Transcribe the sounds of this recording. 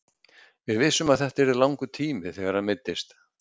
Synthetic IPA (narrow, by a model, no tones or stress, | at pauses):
vɪðvɪsːʏmaðθɛht̪aɛɾɪðlawŋkʏt̪ʰiːmɪθɛɣaɾ̥hanmɪt̪ːɪst̪